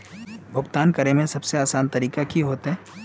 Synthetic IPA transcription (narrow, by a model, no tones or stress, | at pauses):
bʱʊɡt̪aːnkɐɾemẽsɐbseaːsaːnt̪ɐɾiːkakiɦoːt̪ɦɛ̃ː